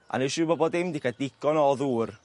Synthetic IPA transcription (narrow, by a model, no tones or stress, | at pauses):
ʔa̰neʃuːbɔbɔdɪmdikʰadɪɡ̥ɔnɔðuːr